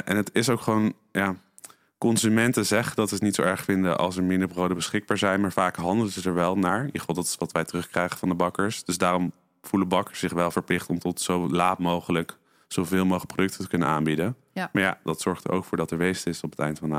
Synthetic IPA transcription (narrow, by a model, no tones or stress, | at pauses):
ʔɛnɦətɪsowkχəʋown | jaː | kɔnzymɛntəzɛχədɑtətnitsowɛɹχfɪndəʔɑ̰lˠs̬əɹmɪndəɹbrowdəbəsχɪɡ̚baːɹzɛjnmaːɹvaːkɦɑndəlˠəzətɛɹʋɛlˠnaːɹjəχvɑlˠdɑtɪ̥sʋɑtʋɛjtərɵχkrɛjχəvɑndəbɑkəɹsd̥ɵsdaːrɔm | v̥uləbɑkə̥sːɪχʋɛlˠvəɹplɪχtɔmtɔtsowlaːtmowχələk | z̥owvɪːlˠmowχələkprodɵk̚tətəkɵnənaːnbidə | maːɹja̰dɑtsɔɹχtə̰ɹʔo̰wkfʊːɹdɑtəɹʋejzntɪsɔpə̥tɛ̰jntfɑna